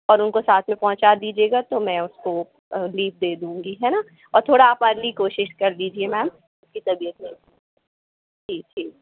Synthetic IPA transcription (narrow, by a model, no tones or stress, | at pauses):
ɔːɾʊnkosaːt̪ʰmẽpɔ̃ɦʊ̃t͡ʃad̪iːd͡ʒieːɡat̪omɛ̃ʊsko | liːp̚d̪eːd̪ũːŋɡiɦɛna | ɔːɾt̪ʰoːɽaːpaːɾlikoːʃɪʃkɐɾliːd͡ʒiemɛːm | ʊskit̪ɐbijət̪ne | ʈʰiːk̚ʈʰiːk̚